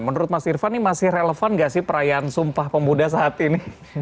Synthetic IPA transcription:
mənuɾʊt̪̚masirfanɪmasɪhreləfanŋɡaʔsɪhpəɾajaːnsumpahpəmudas̬əɦat̪inɪh

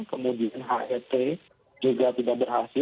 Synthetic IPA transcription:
kəmudianɦaʔɛt̪e | d͡ʒuɡat̪idak̚bəɾɦasɪ

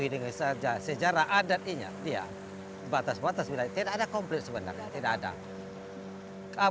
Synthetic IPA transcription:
idəŋasad͡ʒasəd͡ʒaɾaʔadat̪̚iɲa̰dia̰ | bat̪asbat̪asbilaɲat̪idaadakɔmplɛt̪̚səbəna̰rɲat̪idakada̰ | ka

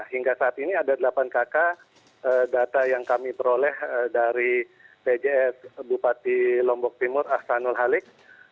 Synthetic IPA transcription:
hiŋɡasaːt̪iniadadəlapankaka | ədat̪ajaŋkamipəɾolɛhədaɾiped͡ʒeɛsbupat̪ilɔmbɔk̚t̪imʊrahsanʊlɦalɪk̚

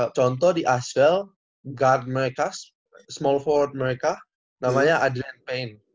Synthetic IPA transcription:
t͡ʃɔnt̪̬ɔdiʔasɛl | ɡard̚məɾekas | smɔlfɔrt̪̚meɾeka | namaɲaʔadɾɛnpejn

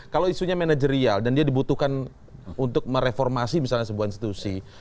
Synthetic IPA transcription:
kaloisuɲamanad͡ʒəɾialdandiadibut̪uhkan | unt̪ʊk̚məɾefɔrmasimisalɲas̬əbuahinst̪i̥t̪usi

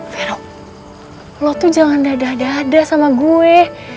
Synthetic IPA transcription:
feɾa | lɔt̪ud͡ʒaŋandadadaːdasamaɡuɛ

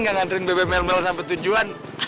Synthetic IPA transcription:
ŋɡaŋant̪ɾɪnbebemɛlmɛlsampɛt̪ud͡ʒuan

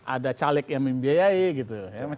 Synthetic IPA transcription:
ʔa̰dat͡ʃalɛk̚jaŋməmbiajaɪɡit̪ujama

